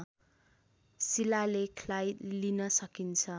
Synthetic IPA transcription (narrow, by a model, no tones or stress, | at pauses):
silalekʰlajlinʌsʌkint͡sʰʌ